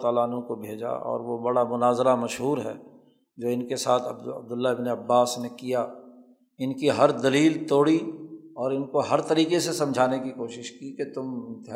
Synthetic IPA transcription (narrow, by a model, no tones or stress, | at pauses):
t̪aːlanũkobʱeːd͡ʒa̰ʔɔ̰ːɾʋobɐɽamʊnaːzɾamɐʃɦuːɾɦɛ̰ː | d͡ʒoːɪnkesaːt̪ʰɐ̰b̚d̪ʊlːaɪbneɐbːaːsnekija | ɪnkiɦɐɾd̪ɐliːlt̪oːɽiɔːɾɪnkoɦɐɾt̪ɐɾiːqesesɐ̃md͡ʒʱaːnekikoːʃɪʃkiket̪ʊm